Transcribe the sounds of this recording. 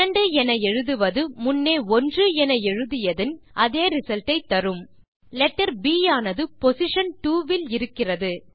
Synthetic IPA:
ɐɳɖɯɛnɐɛɻɯðɯʋɐðɯmʊnːeːɔndrɯɛnɐɛɻɯðɪjɐðɪnʔɐðeːɾɪsɐlʈɐɪt̪ːɐɾɯm | lɛʈːɐɾbiːjaːnɐðɯpɔsɪʂɐnʈuːʋɪlɪɾɯkːɪrɐðɯ

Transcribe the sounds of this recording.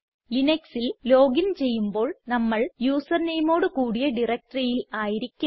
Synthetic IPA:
lineksillo̞ːɡint͡ɕe̞jːumbo̞ːɭnɐmːɐɭjuːsɐrnejmo̞ːɽukuːɽijɐɖirɐk̚ʈrɐjilaːjiɾikʲːu

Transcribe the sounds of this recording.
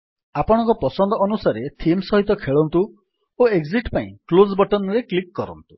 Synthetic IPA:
apɔɽ̃ɔ̃ŋkɔpɔsɔnd̪ɔːnusaɾet̪ʰimsɔɦit̪ɔkʰeɭɔnt̪u | oeɡziʈpaḭ̃klozbɔʈɔnɾeklikːɔɾɔ̰nt̪u̥

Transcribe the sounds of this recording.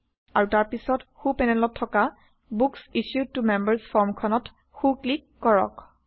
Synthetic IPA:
aɹutaɹpisɔtxupɛnɛlɔtʰːɔka | buksiʃjud̚tumɛmbəɹsfɔɹmkʰɔnɔt | xuklikːɔɹɔ̰k

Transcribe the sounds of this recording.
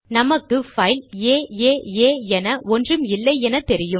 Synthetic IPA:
nɐmɐkːɯfɐɪleːeːeːɛnɐʔɔndrɯmɪlːɐɪɛnɐt̪ɛɾɪjɯ

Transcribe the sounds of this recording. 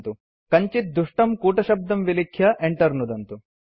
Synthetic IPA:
t̪u | kɐɲt͡ʃit̪̚d̪uʂʈɐmkuːʈɐʃɐb̚d̪ɐmʋilikʰjɐʔeɳʈɐɾnud̪ɐnt̪u

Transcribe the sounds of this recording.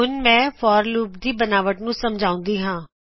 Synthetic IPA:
ʊnmɛ̃ːfɔːɾluːpd̪iːbɐnaːʋəʈnũsɐmd͡ʒʱaːʊ̃nd̪iːɦãː

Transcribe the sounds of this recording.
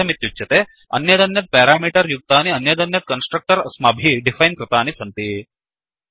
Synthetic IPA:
ɐmit̪jut͡ʃɐt̪e | ɐ̰njɐd̪ɐnjɐt̪̚pɛːɾaːmiːʈɐɾjuk̚t̪aːniɐnjɐd̪ɐnjɐt̪̚kɐnsʈɾɐk̚ʈɐɾɐsmaːbʱiɖifʰɐjnkɾɨt̪aːnisɐnt̪i

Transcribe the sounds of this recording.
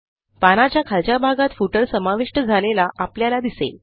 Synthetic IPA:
panat͡ɕjakʰalt͡ɕabʱaɡat̪fuʈəɾsəmaʋiʂʈəd͡zʱalelaʔapljalad̪isḛl

